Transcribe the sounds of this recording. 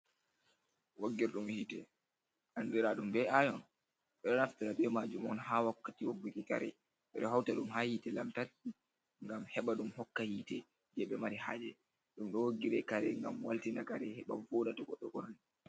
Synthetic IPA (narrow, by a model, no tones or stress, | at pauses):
waɡːiɾɗumhitɛ | ʔandiɾaɗumbɛajɔn | ɓɛɗɔnaftiɾaɓɛmad͡ʒumɔnhawakːatiwoɡːukika̰ɾɛ̰ | ɓɛɗɔɦawtaɗumhahitɛlamtati | ŋɡamhɛɓaɗumhɔkːahiːtɛ | d͡ʒɛɓɛmaɾiha̰ːd͡ʒɛ | ɗumɗɔwoɡːiɾɛkaɾɛŋɡa̰mwaltinakaɾɛhɛɓavoɗataɡɔɗɔɡɔnɔn